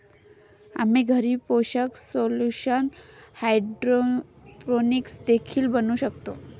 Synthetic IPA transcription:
a̰miɡʱəɾiːpoɕəksoluɕənhajɖɾoɾoniksd̪ekʰiːlbənuːɕəkt̪o

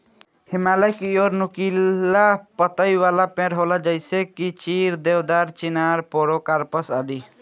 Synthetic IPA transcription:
hɪmaːləjkioːɾnʊkilapət̪əiʋaːlapẽɾɦoːlad͡ʒəɪsekit͡ʃiːɾd̪eːʋd̪aːɾt͡ʃɪnaːɾpoːɾokaɾpəsaːd̪i

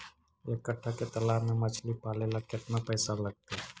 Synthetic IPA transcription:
ekːəʈʰːaket̪ɐlaːmẽmɐt͡ʃʰlipaːlelakɪt̪napəːsalɐɡ̚t̪e

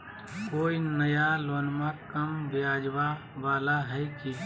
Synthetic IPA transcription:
koːinəjaloːnmãkəmʋɪjaːd͡ʒʋa | ʋaːlaɦɛjki

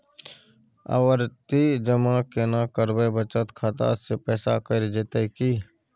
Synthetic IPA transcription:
ə̰wəɾt̪id͡ʒəmakenakəɾbəbət͡ʃət̪kʰaːt̪a̰ːsepɛːsakəɾd͡ʒeːt̪ekiː

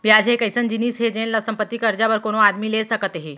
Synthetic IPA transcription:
ʋjad͡ʑɦekəjsənd͡ʑiniːsɦed͡ʒenləʋsəmpət̪ːikəɾd͡ʒaʋəɾkoɽ̃oad̪miːlesəkət̪ɦe

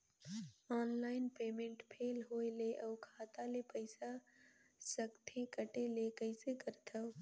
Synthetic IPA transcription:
aːnlaːɪnpeːmẽɳʈpʰeːlɦoːjleʔəwkʰaːt̪alepəɪsa | səkt̪ʰẽkəʈelekəɪsekəɾt̪ʰaw

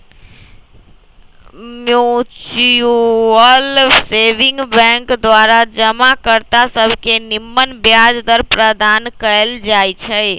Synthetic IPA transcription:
mjut͡ʃuəlseʋiŋɡbɛ̃ŋkd̪waɾad͡ʒəmakəɾt̪asəbʱkenimːənbjad͡ʒd̪əɾpɾəd̪ankəld͡ʒajt͡ʃʰəj

